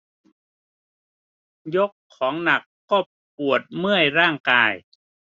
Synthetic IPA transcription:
jo˦˥kʰːɔː˩˦ŋna˨˩kːɔː˥˩ | p̚u˨˩ət̪̚mɯ˥˩əjɾaː˥˩ŋkaː˧j

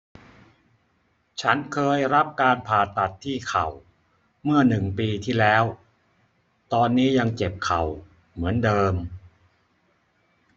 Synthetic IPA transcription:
t͡ɕʰa˦˥nkʰɤː˧jɾa˦˥p̚kaː˧npʰaː˨˩t̪ːa˨˩t̪ʰːiː˥˩kʰa˨˩w | mɯ˥˩ɐnɯ˨˩ŋpiː˧t̪ʰiː˥˩lɛː˦˥w | t̪ɔː˧nːiː˦˥ja˧ŋt͡ɕe˨˩p̚kʰa˨˩w | mɯ˩˦əndɤː˧m

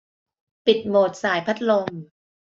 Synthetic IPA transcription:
pi˨˩t̪̚moː˨˩t̪̚saː˩˦jpʰa˦˥t̪̚lo˧m

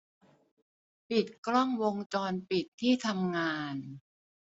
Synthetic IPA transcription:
pi˨˩t̪̚kɾɔ˥˩ŋwo˧ŋt͡ɕɔː˧npi˨˩t̪ʰːiː˥˩t̪ʰa˧mŋaː˧n

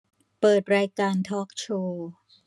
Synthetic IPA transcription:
pɤː˨˩t̪̚ɾaː˧jkaː˧nt̪ʰɔː˦˥k̚t͡ɕʰoː˧

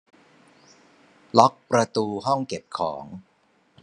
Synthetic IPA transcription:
lɔ˦˥k̚pɾa˧t̪uː˧ɦɔ˥˩ŋke˨˩p̚kʰɔː˩˦ŋ

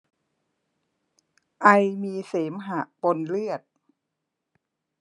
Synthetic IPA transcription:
ʔa˧jmiː˧seː˩˦mɦa˨˩ʔpo˧nlɯ˥˩ət̪̚

